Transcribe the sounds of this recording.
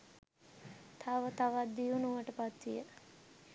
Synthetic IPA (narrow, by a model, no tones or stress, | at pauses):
t̪ʰaʋət̪aʋat̪̚d̪ijunuʋəʈəpat̪ʋijə